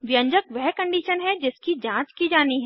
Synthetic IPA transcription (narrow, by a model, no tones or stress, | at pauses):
ʋjə̃ɲd͡ʒəkʋɛɦkɐ̃ɳɖiːʃənɦɛd͡ʒɪskid͡ʒãːt͡ʃkid͡ʒaːniɦɛ